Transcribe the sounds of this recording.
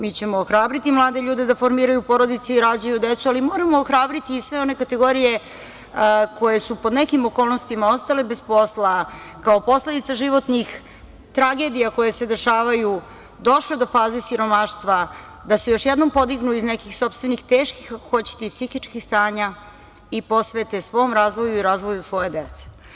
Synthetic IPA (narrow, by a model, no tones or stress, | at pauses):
mit͡ɕe̞moːxɾaːbɾit̪imlˠaːd̪eʎuːd̪e̞d̪afo̞ɾmiːɾajupo̞ɾo̞d̪it̪seiɾad͡ʑajud̪et̪sualimo̞ːɾamoːxɾaːbɾit̪iːsʋe̞o̞ne̞kat̪e̞ɡo̞ɾije̞ | ko̞je̞supod̪nekimo̞koːlˠno̞st̪imao̞st̪ale̞be̞spo̞sla | kaopo̞sle̞d̪it̪saʒiʋo̞t̪nix | t̪ɾaɡe̞ːd̪ijako̞jese̞d̪e̞ʃaːʋaju | d̪o̞ʃle̞d̪o̞faːze̞siɾo̞maʃt̪ʋa | d̪ase̞jo̞ʃjed̪no̞mpo̞d̪iɡnuiznekixso̞pst̪ʋe̞nixt̪eːʃkixako̞̥xo̞t͡ɕe̥t̪eipsixit͡ʃkixst̪aːɲa | ipo̞sʋe̞t̪esʋo̞ːmɾaːzʋo̞juiɾaːzʋojusʋo̞jed̪et̪se̥